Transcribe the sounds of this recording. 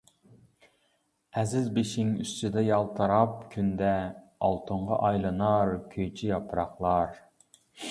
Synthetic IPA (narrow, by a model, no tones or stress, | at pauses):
ɛzɪzbeʃɪŋy̰st̪yd̪ɛjɑlˠt̪ʰɑɾɑp̚kʲʰynd̪ɛ | ɑ̰lˠt̪ʰʊɴʁɑ̰ʔɑjlˠɨnɑɾkʲʰøjt͡ʃʰijɑpʰɾɑχlˠɑɾ